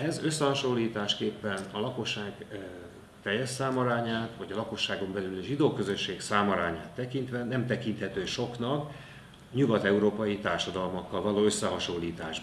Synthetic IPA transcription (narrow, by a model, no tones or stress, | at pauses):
ɛzø̞sːɛɦɒʃo̞lːiːt̪aːʃkeːpːɛnɒlɒko̞ʃːaːɡ | t̪ɛjːɛsaːmɒɾaːɲaːt̪ʋɒɟɒlɒko̞ʃːaːɡo̞mbɛlylɒʒid̪oːkø̞zø̞ʃːeːksaːmɒɾa̰ːɲa̰ːt̪ːɛkint̪ʋɛnɛmt̪ɛkint̪hɛt̪øːʃo̞knɒk | ɲuɡɒt̪ɛuɾoːpɒjit̪aːrʃɒd̪ɒlmɒkːɒlvɒloːø̞sːɛɦɒʃo̞lːiːt̪aːʒ